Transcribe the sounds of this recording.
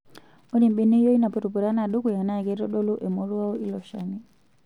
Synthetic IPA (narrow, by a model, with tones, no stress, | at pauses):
mu˦ni˨mɓi˦ni˦hi˦jɔi˦na˨pɔ˨tu˨pu˨ɾa˦na˨ɗu˦ku˨ja˨na˦ɛ˨kɛ˦ɾɔ˦ɗɔ˦lu˦ʔɛ˨mɔ˦ɾu˦a˦ɔ˦ʔi˦lɔ˨ʃani